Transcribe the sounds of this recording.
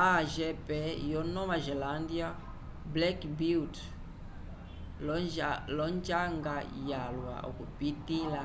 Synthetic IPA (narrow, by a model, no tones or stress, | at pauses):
aʒɛpɛjɔnɔβaʒɛlandia | blɛkbit | lɔɲd͡ʒaŋɡajalwa̰ʔɔ̰kupitila